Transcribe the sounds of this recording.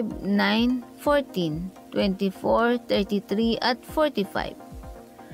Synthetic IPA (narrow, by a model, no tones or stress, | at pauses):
bnãjnfɔɹt̪ĩnt̪wɛ̃nt̪ifɔɹt̪ɛɹt̪it̪ɾiʔat̪fɔɹt̪ifa̰jb